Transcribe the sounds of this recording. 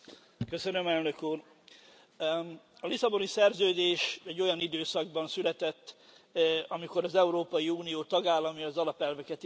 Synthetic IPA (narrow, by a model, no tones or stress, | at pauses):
kø̞sønø̞mɛlnø̞kuːr | ɒlisɒbo̞nisɛrzøːd̪eːʃɛɟːo̞jɒnid̪øːsɒɡ̚bɒnsylɛt̪ɛt̪ː | ɒmiko̞ɾɒzɛuɾoːpɒjiuːnijoːt̪ɒɡaːlːɒmjɒzɒlɒpɛlvɛkɛt̪